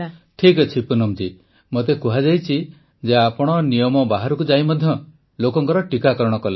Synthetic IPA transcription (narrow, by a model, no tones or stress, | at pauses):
ʈʰikɔt͡ʃʰipunɔmd͡ʒi | mot̪̬ekuɦad͡ʒajt͡ʃʰi | d͡ʒeapɔɽ̃ɔnijɔmɔbaɦaɾɔkud͡ʒajmɔd̪ʱjɔ | lokɔŋkɔɾɔʈikakɔɾɔɽ̃ɔkɔle